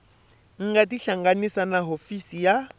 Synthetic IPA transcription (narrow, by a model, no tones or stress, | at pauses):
ŋ̩ɡatiɬaŋɡanisanaɦofisija